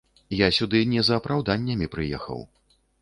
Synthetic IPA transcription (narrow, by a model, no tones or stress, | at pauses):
jasʲud̪ɨnʲɛzɐːpɾawd̪anʲːɐmʲipɾɨjɛ̰xɐ̰w